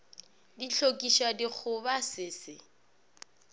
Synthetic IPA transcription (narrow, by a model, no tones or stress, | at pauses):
diɬʰokʼiʃadik͡xʰʊbasɪːsɪ